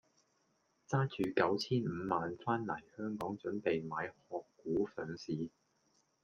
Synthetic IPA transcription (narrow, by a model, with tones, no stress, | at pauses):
t͡saː˥t͡ʃyː˨kɐ˨˥wt͡sʰiː˥nm̩˨˧maː˨nfaː˥nmɐ̰˨˩jhœː˥ŋkɔː˨˥ŋt͡ʃɵ˨˥npe˨jmaː˨˧jhɔː˧kːuː˨˥fœː˨˥ŋsiː˨˧